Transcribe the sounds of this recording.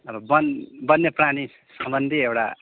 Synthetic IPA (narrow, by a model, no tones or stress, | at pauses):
ʌbʌbʌnbʌnːjeprani | sʌmbʌnd̪ʱiewʈa̰